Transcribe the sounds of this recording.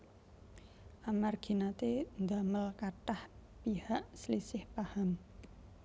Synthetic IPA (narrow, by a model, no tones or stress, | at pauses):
ʔamarɡ̥inat̪end̪aməlkaʈahpihaʔsəlisɪhpaham